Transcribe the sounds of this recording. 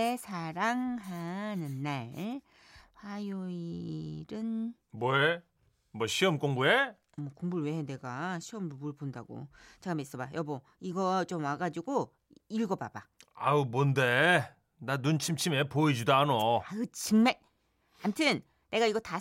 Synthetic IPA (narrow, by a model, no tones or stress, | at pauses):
esʰaɾaŋɦanɯnːaɭ | ɸwajoiɾɯn | mʌe | mʌɕʰiʌmk͈oŋbue | mʌkoŋbuɭwene̞ɡaɕʰiʌmboɭponda̰ɡo̰t͡ɕaɡameis͈ʌbajʔʌbʌ | iɡʌt͡ɕomwaɡad͡ʑiɡo | iɭɡʌba̰baaɯmonde | nanunt͡ɕʰimt͡ɕʰimepoid͡ʑidaanoakɯt͡ɕɯŋmaɭ | amtʰɯn | ne̞ɡaiɡʌta